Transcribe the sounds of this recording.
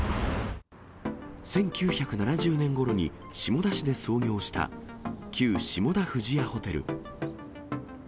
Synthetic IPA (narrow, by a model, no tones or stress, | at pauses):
sẽ̞ŋkʲɨːçakɯ̟nanaʑɨːnẽ̞ŋɡo̞ɾo̞ɲ̟ḭ | ɕimo̞d̪aɕid̪e̞so̞ːɡʲo̞ːɕi̥t̪a̰kʲʰɨːɕimo̞d̪ahɯ̟ʑiaho̞t̪e̞ɾɯ̟̰